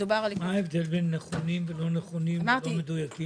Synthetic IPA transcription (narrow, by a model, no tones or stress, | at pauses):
ubaʁalmaevd̪elbenːeχonimvelo̞neχonimmaʁlomed̪ujaki